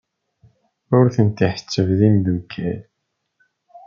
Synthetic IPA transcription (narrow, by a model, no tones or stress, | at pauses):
ʊɾθənt̪iħə̥t͡sːəvðind̪ukʰːæl